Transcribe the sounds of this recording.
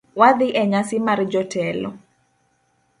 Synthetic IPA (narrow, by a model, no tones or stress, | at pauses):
wad̪ɪʔɛɲasɪmard͡ʒɔtɛlɔ̰